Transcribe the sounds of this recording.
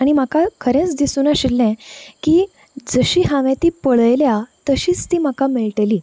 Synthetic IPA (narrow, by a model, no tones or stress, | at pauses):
aɽ̃im̤akakʰəɾẽt͡sd̪isuːnaɕilːɛ̃kiː | d͡zəɕiːɦaʋẽt̪iːpəɭəjljat̪əɕiːt͡st̪iːm̤akamiɭʈeliː